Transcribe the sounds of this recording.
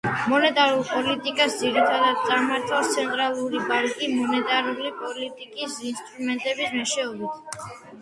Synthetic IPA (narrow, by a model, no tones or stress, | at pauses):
mɔnɛt̪ʼaɾulˠpʼɔlit̪ʼikʼasd̪ziɾit̪ʰad̪ad̪̚t̪sʼamaɾt̪ʰast̪sʰɛnt̪ʼɾalˠuɾibaɾkʼimɔnɛt̪ʼaɾulipʼɔlit̪ʼikʼisinst̪ʼɾumɛnt̪ʼɛbismɛʃɛɔbit̪ʰ